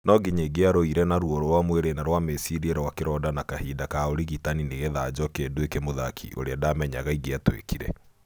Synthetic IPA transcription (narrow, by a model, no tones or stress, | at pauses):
nɔɡiɲeɡeaɾoiɾɛnaɾwoɾoɾwamweɾenaɾwamesiɾieɾawakeɾɔdanakahiːdakaoɾiɣitanineɣeðad͡ʑɔkeːnduekemoða̰kʰḭʔo̰ɾeadamɛɲaɣaiɣeatwḛkiɾɛ